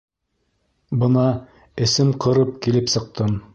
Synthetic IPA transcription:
bɤ̆nɑ | ɘ̆sɘmqʰɤ̆ɾɤp̚kilɘpsɤ̆q̚t̪ɤm

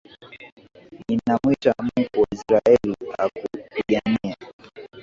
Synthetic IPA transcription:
inamwitam̩kuisɾaɛlihakupiɠania

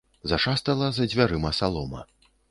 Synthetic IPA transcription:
zaʂast̪ɐlˠɐzɐd͡zʲvʲaɾɨmɐsalˠɔmɐ̰

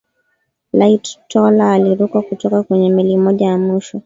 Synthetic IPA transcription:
laittɔlaːliɾukakutɔkakwɛɲɛmilimɔʄajamiʃɔ

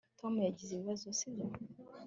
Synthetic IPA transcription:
tʰomujaɟizeβiβazosizo

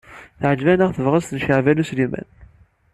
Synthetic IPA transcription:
θəʕəd͡ʒvænəʁθəvʁəzt̪nʃəʕvæluslimæ̰n

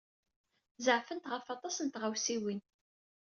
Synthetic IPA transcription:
zəʕfənt̪ʁəfɑt̪ˤɑsənt̪ʁawsiwin

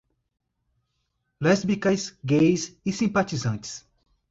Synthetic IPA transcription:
lɛzbikɐsɡejsisĩpat͡ʃizɐ̃t͡ʃɪ̥s

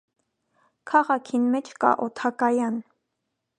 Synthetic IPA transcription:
kʰɑʁɑkʰinmɛt͡ʃʰkɑ̰ʔɔt̪ʰɑkɑjɑn

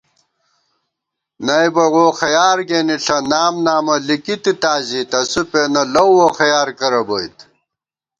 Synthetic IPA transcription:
nɐjbɐwoːxɐjaːɾɡeːniɬʰɐnaːmnaːmɐlikit̪it̪aːzit̪ɐsupenɐlɐwwoxɐjaːɾkɐɾɐbɐit̪

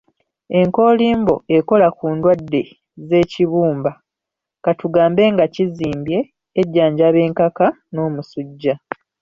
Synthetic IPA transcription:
e̞ŋko̞ːliːmbo̞̰eko̞lakuːndwadːe̞ | ze̞ːciβuːmba | katuɡaːmbe̞ŋɡaciziːmbje̞ː | ɟːaːɲɟaβe̞ːŋkaka | no̞ːmusuɟːa

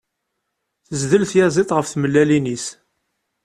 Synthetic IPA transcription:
θəzðəlθjæzˤit̪ˤʁəfθməlːælinis

